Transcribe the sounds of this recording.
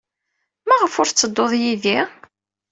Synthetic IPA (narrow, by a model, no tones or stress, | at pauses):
mæʁəfʊɾt͡sːəd̪ːoðˤjiði